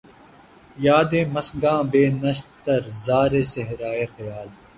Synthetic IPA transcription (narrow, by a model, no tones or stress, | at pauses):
jaːd̪eːmɐsɡãːbeːnɐʃt̪ɐɾzaːɾeːseɦɾaːeːxɐjaːl